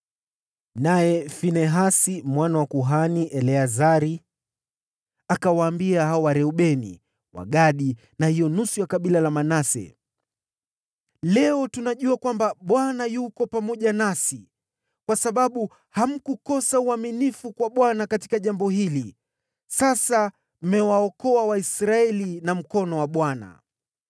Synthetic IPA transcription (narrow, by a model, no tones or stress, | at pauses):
najɛfinɛɦasimwanawakuɦaniʔɛlɛazaɾi | akawaːmbiahaɔwaɾɛuɓɛnḭ | wa̰ɠaɗi | nahijɔnusujakaɓilalamanasɛ̰ | lɛɔtunaʄuakwambaɓwanajukɔpamɔʄanasi | kwasaɓaɓu | ham̩kukɔsauaminifukwaɓwanakati̥kaʄambɔhili | sasa | m̩mɛwaɔkɔawaisɾaɛlinam̩kɔnɔwaɓwana̰